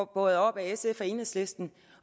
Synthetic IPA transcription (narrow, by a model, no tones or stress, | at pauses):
b̥ɔ̽ð̩ˠɒ̽b̥æesefɒe̝ːnəsle̝sd̥n̩